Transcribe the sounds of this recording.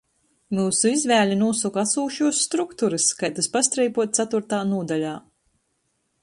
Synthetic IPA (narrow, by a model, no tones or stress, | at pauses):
muːsuizvæːlʲinuɔsukasuːʃuɔsːt̪ɾukt̪uɾɨskajt̪aspast̪ɾɛjpuɔt̪̚sat̪uɾt̪aːnuɔd̪alʲaː